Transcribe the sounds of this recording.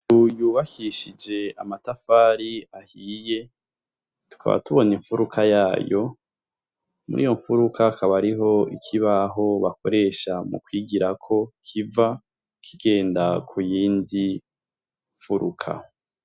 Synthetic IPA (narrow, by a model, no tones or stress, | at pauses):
ujuːβakʰiʃid͡ʒe̞amatafaːɾiahiːje̞ | tu̥kʰa̰βa̰tuβo̞niɱfuɾukʰajaːjo̞ | mṵɾḭjo̞ɱfuɾukʰakʰaβaɾiɦo̞ikʰiβaɦo̞βakʰo̞ɾe̞ʃamṵkwiːɡiɾakʰo̞kʰiva | kʰiɡe̞ːndakʰujiːndi | ɱfuɾukʰa̰